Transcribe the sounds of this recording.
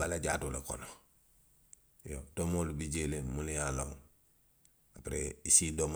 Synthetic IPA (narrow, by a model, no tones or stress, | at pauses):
balaɟatulako̰no | jotomolubiɟelemulijalow | apɾeisidom